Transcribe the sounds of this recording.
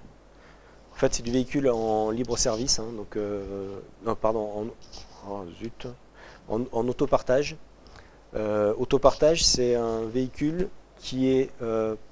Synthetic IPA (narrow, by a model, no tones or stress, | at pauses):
ɑ̃fɛt̪sɛd̪yveikʲylɑ̃libʁəsɛʁvisɛ̃d̪ɔ̃kø | ɔ̃paʁd̪ɔ̃ɑ̃azyt̪ | ɑ̰̃ɑ̃not̪opaʁt̪aʒ | øot̪opaʁt̪aʒsɛɛ̃veikʲylkʲʰiɛø